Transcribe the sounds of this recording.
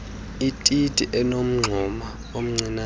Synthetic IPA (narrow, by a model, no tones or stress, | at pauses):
itʼitʼiʔɛnom̩ŋ͡ǀʱɔma | om̩ŋ͡ǀina